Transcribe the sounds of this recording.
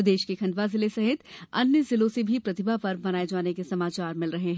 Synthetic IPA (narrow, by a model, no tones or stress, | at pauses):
d̪eːʃkekʰɐ̃nd̪ʋazɪlesɐɦɪt̪ɐ̰njəzɪloːsebʱipɾɐt̪ɪbʱapɐɾbɐnaːed͡ʒaːnekesɐmaːt͡ʃaːɾmɪlɾɐɦeɦɛ̃ː